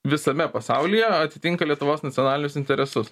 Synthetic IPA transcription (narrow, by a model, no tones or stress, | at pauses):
ʋʲɪsɐmʲɛpɐsɐʊlʲɪjɛɐt̪ʲɪt̪ʲɪŋkɐlʲiɛt̪ʊʋoːsnɐt̪ʲɔnɑːlʲɪnʲʊsɪnʲt̪ʲɛɾʲɛsʊs